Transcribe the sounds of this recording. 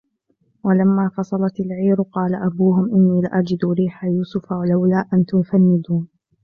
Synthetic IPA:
walamːaːfɑsˤɑlɑt̪ɪlʕiːɾʊqɑːlaʔabuːɦʊmʔɪnːiːlɪʔad͡ʒɪd̪ɾiːħajuːsʊfawalawlaːʔant̪ʊfanːɪd̪uːn

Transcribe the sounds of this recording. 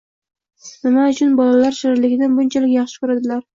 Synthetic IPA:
nɪmaʊt͡ʃʰʊnbɒlalaɾʃaɾɪɾlɪɡʲɪd̪anbʊnt͡ʃʰalɪkʲjɑχʃɪ̥kʊɾad̪ɪlaɾ

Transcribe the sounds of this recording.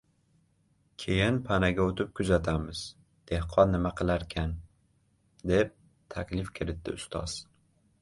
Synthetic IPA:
kʲʰejɪnpʰanaɡʲaot̪ʰɪp̚kʰʊzat̪ʰamɪz | d̪̥e̞hqʰɒnːɪmaqʰɨlˠaɾkʲʰan | d̪e̞p̚ | t̪ʰakʲlɪfkʲʰɪɾɪt̪ːɪ̰ʊst̪ʰɒ̰z̥

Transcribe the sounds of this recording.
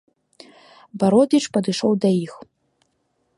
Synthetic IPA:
baɾod̪iʈ͡ʂʼpadɨʂowdajix

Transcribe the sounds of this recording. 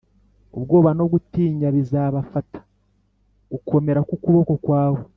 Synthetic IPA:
o̰βɡo̞ːβano̞βɡutiːɲaβizaːβafatḁ | ɡukʰo̞me̞ɾakukuβo̞ko̞kwaːβo

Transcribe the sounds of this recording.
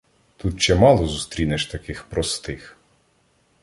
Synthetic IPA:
t̪ut̪t͡ʃɛmɑlˠɔzust̪ɾʲinɛʃt̪ɐkɪxpɾɔst̪ɪx

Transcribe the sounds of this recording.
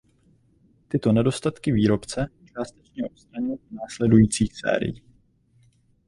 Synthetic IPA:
t̪ɪt̪o̞nɛdo̞st̪at̪kɪviːɾo̞pt͡sɛst͡ʃaːst̪ɛt͡ʃɲɛʔop̪st̪ɾaɲɛnaːslɛdujiːt͡siːxsɛ̰ːɾɪ̰ji

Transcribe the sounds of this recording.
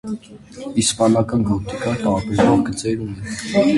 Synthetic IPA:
ispɑnɑkɑnɡɔt̪ikɑt̪ɑɾɑpɛsvɔɾɡət͡sɛɾunɛ

